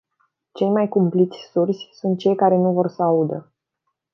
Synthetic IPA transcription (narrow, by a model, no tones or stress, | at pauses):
t͡ʃe̞jmajkumplit̪sʲsursʲsunt̪̚t͡ʃe̞jkaɾe̞nuvo̞rsəaud̪ə